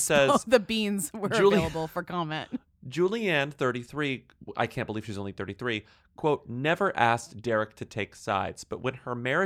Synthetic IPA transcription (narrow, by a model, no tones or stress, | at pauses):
sɛzðɨbĩnzwə˞lˠiəbl̩ˠfə˞kʰɑmɛ̃nt | d͡ʒʉlˠiæ̃nθɜ˞ɾiθɹi | a̰ɪkʰæ̃nb̥əliv̥ʃiʌzõʊ̃nliθɜ˞ɾiθɹi | kʰw̥oʊt̚ⁿnɛvə˞ʔæsd̥ɛɹɨk̚tʰɨtʰeɪksa̰ɪdz̥b̥ʌt̚wɨ̃nə˞mɛɹɨ